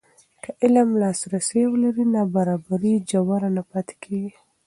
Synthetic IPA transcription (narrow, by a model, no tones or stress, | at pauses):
kʰaʔɪlamlɑsɾasewlaɾinɑbaɾɑbaɾid͡ʒawaɾanapat̪kʰeɡi